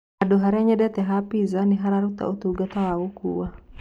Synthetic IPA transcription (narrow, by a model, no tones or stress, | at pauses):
adoɦaɾiaɲadɛt̪ɛɦapizaniɦaɾaɾut̪a̰ut̪uɡat̪alawukṵwa